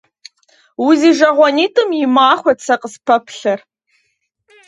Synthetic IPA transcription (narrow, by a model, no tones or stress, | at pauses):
wʊziːʒɐʁʷɔniːtʼɨmjɪmaːχʷɔt͡sʰɐqəspʰɐpʰɬɐr